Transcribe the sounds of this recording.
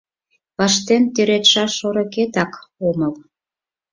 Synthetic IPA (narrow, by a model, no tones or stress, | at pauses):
pɑʃt̪ent̪øɾet̪ʃɑʃoɾɤ̆ket̪ɑkoməl